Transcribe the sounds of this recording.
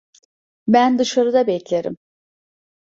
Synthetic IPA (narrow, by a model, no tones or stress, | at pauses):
bænd̪ɯʃaɾɯd̪abɛclʲeɾḭm